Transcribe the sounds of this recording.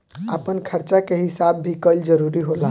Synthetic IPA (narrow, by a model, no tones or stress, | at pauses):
apənkʰəɾt͡ʃakeɦisabːʱikəld͡ʒəɾuɾiɦola